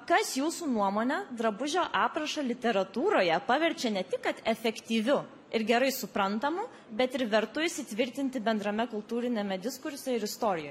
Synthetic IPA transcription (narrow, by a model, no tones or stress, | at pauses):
kɐsjuːsuːnuɔmoːnʲɛd̪ɾɐbʊʒʲoːʔɑːpɾɐʃɐlʲɪt̪ʲɛɾɐt̪uːɾoːjɛpɑʋʲɛɾʲt͡ʃʲɛnʲɛt̪ʲɪkkɐt̪ɛfʲɛkt̪ʲiːʋʲʊ | ɪɾɡʲɛɾɐɪsʊpɾɐnt̪ɐmʊ | bʲɛt̪ɪɾʋʲɛɾt̪ʊɪsʲɪt̪ʲʋʲɪɾʲt̪ʲɪnʲt̪ʲɪbʲɛnd̪ɾɐmʲɛkʊlˠt̪uːɾʲɪnʲɛmʲɛd̪ʲɪskʊɾʲsʲɛɪɾɪst̪oːɾʲɪjoːj